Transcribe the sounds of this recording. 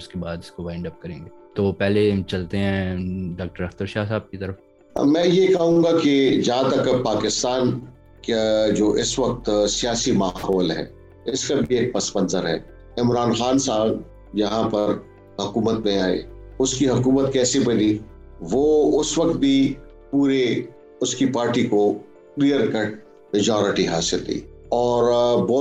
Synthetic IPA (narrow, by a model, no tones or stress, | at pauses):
ʊskebaːd̪ɪskoʋaɪ̃ɳɖɐp̚kɐɾẽːŋɡeːt̪opɛɦlet͡ʃɐlt̪eɦɛ̃ɖaːk̚ʈəɾɐxt̪əɾʃaːɦs̬aːb̚kit̪ɐɾəf | mɛ̃ːjekɐɦũːɡaked͡ʒɐɦãt̪ɐkpaːkɪst̪aːn | kad͡ʒoːʔɪsʋɐk̚t̪sijaːsimaːɦɔːlɦɛ̰ː | ɪskabʱieːk̚pɐspə̃nzəɾɦɛ̰ː | ɪmɾaːnxaːnsaːɡ | jɐɦãpɐɾ | ɦʊkuːmət̪mẽaːḛʊskiɦʊkuːmət̪kɛːsebɐni | ʋoːʊsʋɐkt̪̚bʱi | puːɾe | ʊskipaːɾʈiko | klijəɾkəʈ | mɪd͡ʒɔːɾɪʈiɦaːsɪld̪ḭːɔːɾbɔː